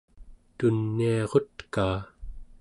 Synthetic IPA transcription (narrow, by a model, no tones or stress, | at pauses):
t̪unːiɑʁo̞t̪kaː